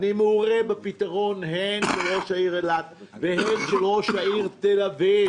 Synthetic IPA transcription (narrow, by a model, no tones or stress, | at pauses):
nimeuʁebepit̪aʁo̞nɦenʃeloʃaiʁelat̪vehenʃeloʃaiʁt̪elavi